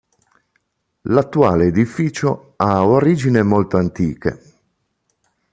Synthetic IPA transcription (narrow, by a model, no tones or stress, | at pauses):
lat̪ːuaːleːd̪ifiːt͡ʃo | aoɾiːd͡ʒinemolt̪oant̪iːkḛ